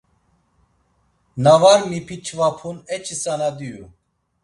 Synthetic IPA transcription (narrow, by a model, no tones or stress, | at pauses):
navaɾmipʰit͡ʃʰvapʰunɛt͡ʃʰisanad̪iju